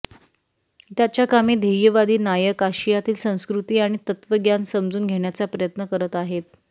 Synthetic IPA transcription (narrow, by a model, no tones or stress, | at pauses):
t̪jat͡ɕjakamiːd̪ʱeʋjəʋad̪iːnajəkaɕijat̪iːlsə̃w̃skɾut̪iːaɽ̃it̪ət̪ʋəɡjansəmd͡zuːnɡʱeɳjat͡sapɾəjət̪nəkəɾət̪aɦet̪̚